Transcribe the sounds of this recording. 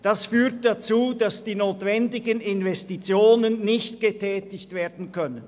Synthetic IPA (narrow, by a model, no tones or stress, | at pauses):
d̥asfyːɐt̚d̥at͡suːd̥asd̥iːnoːtv̥ɛndɪɡənɪnvɛstit͡sjoːnənːɪçtɡ̥ətʰɛːtɪçtv̥eːɐdn̩kʰœnənn